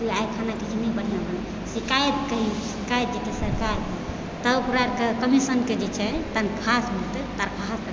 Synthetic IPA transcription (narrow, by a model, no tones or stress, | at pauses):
uajkʰanaked͡ʒinibəɽ̤ijãbəna | sikajet̪kəɦisikajt̪̚d͡ʒekesəɾkaɾme | t̪əpɾaɾkekəmisənked͡ʒet͡ʃʰɛt̪ankʰasbʱut̪et̪aɾkʰaɦspə